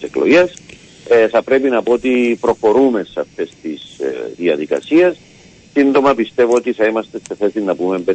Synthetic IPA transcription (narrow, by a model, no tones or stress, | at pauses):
sekloʝes | θɐpɾe̞pinɐpoot̪ipɾo̞xo̞ɾume̞seɐft̪e̞st̪isðiɐðikɐ̰sies | sind̪o̞mɐpist̪e̞voot̪iθɐimɐst̪e̞st̪e̞θe̞sinːɐpume̞mpe